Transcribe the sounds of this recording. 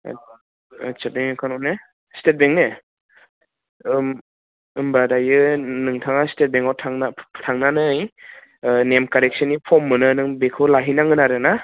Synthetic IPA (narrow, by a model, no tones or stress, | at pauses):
set̚beŋkʰanɔne | stet̚beŋne | m | ɯmbadajɯnɯŋtʰaŋastet̚beŋawtʰaŋatʰaŋnanɯj | nemkaɾek̚sɯnipʰɔmːɯnɯnɯŋbekʰɯwlaɦinaŋɯnaɾɯna